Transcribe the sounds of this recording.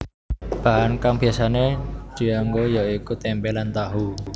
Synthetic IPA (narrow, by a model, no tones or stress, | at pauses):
b̥a̤ɦankaŋb̥iasaned̥i̤aŋɡojaikut̪ɛmpɛlant̪aɦu